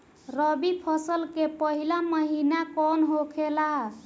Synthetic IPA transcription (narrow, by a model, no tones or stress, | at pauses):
ɾəbipʰəsəlkepəɦilaməɦinakɔnɦokʰelaɦ